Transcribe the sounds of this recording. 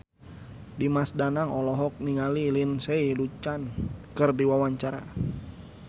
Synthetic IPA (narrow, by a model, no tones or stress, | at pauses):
dimasdanaŋɔlɔɦɔk̚niŋalilinseilut͡ʃankɨrdiwawaɲt͡ʃaɾa̰